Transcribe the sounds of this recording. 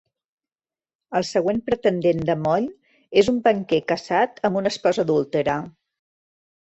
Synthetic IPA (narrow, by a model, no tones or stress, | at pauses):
əlˠsəɣ̞wempɾət̪ənd̪end̪əmɔʎ | ezumbəŋkɛkəsat̪əmbunəspɔzəðulˠt̪əɾə